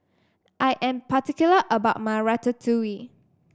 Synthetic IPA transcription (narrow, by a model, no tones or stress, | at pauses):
ʔajʔɛ̃mpatikjuləʔəbaʊt̚maɪɹatətʰuwi